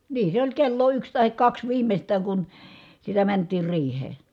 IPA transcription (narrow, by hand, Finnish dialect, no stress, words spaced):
niː se olʲ kelːo yks tɑhik kɑks ʋiːmestˑæːŋ kun sitæ mæntˑiːr riːhˑeː